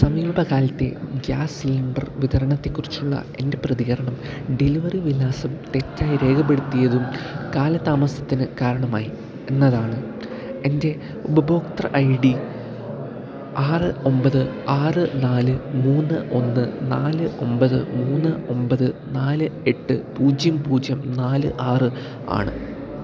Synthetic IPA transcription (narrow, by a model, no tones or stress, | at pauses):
sɐmiːbʱɐɣaːlɐt̪ːe̞̰ɡjaːsilɐmɖɐrʋiðɐɾɐɳɐt̪ːe̞kːurit͡ɕːuɭːɐ̰e̞nde̞prɐðiɣɐɾɐɳɐm | ɖeliʋɐriʋilːaːsɐmʈe̞tːaːjiɾe̞ːkʰɐpːeɽut̪ːijɐðumkaːlɐt̪aːmɐsɐt̪ːinɨkaːɾɐɳɐmaːji | e̞nːɐðaːɳɨ | e̞nde̞ | ubɐbo̞ːkt̪ɐrʔɐjɖi | aːrɨo̞mbɐðɨaːrɨnaːlɨmuːnːɨʔo̞nːɨnaːlɨo̞mbɐðɨmuːnːɨo̞mbɐðɨnaːlɨe̞ʈːɨpuːd͡ʑjɐmpuːd͡ʑjɐmnaːlɨʔaːrɨ | a̰ːɳɨ̰